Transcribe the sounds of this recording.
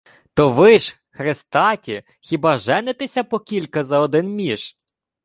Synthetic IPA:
t̪ɔʋɪʃ | xɾest̪ɑtʲi | xʲibɑʒɛnet̪esʲɐpɔkʲilʲkɐzɐɔd̪ɪnmʲiʃ

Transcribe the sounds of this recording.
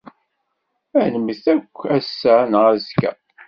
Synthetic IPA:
ænəməθækʷːæsːænʁæzkæ̰

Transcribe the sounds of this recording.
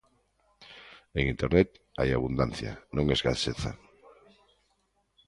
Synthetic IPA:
eŋint̪eɾnet̪a̰jaβund̪anθja̰nõŋezɣaseθa̰

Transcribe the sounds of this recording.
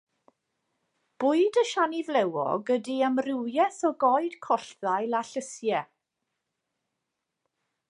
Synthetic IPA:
b̥ʊɨdəʃanivlɛwɔ̰ɡədiəmrɪwjɛθɔɡɔɨd̥kʰɔɬðajlˠaɬəsjɛ

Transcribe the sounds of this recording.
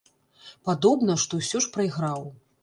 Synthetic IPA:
pad̪ɔbn̪ɐʂt̪ɔwsʲɔʂpɾɐjɣɾaw

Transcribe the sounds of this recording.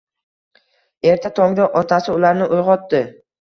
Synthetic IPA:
e̞ɾt̪ʰat̪ʰɒŋd̪aʔɒt̪ʰasɪʊlaɾnɪʔojʁɒt̪ːɪ

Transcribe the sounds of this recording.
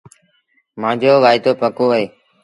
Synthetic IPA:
mãːd͡ʒoːʋaːɪd̪oːpəkoːʋəɦeː

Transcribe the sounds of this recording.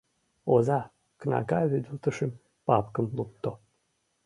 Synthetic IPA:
ozɑ | knɑ̰kɑβyd̪əlt̪əʃem | pɑpkəmlup̚t̪o

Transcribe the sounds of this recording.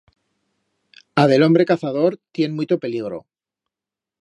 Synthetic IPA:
aðe̞lo̞mbɾe̞kaθað̞o̞ɾt̪jenmut̪ope̞liɣɾo̞̰

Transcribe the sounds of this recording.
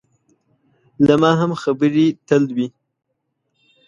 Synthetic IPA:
lamɑɦamxabəɾit̪əld̪wi

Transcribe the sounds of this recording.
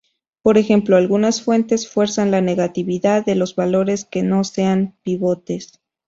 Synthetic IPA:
po̞ɾe̞xe̞mplo̞alɣunasfwe̞nt̪e̞sfwe̞ɾsanlane̞ɣat̪iβiðaðːe̞lo̞zβalo̞ɾe̞ske̞no̞se̞anpiβo̞t̪e̞s

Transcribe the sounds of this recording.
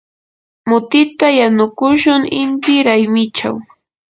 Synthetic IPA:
mʊt̪ɪt̪ajanʊkʊʃʊŋɪnt̪ɪɾajmɪt͡ʃa̰w

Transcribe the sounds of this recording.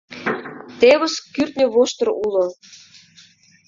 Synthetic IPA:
t̪eβoskːyrt̪̚nʲəβoʃt̪ɤ̆rulo

